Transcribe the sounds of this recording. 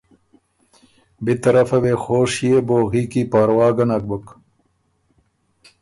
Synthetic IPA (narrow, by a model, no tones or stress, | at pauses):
bit̪ɐɾɐfɐwexoːʂijeboːɣiːkipaːɾwaːɡɐnɐk̚buk